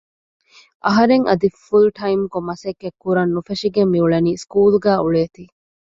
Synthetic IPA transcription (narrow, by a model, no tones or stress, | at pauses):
ʔɐɦɐɾeŋʔɐd̪ifulʈʰɐimkomɐsɐkːekːuɾɐnːufeʃiɡemːiuɭɐniːskuːluɡæːuɭeːt̪iː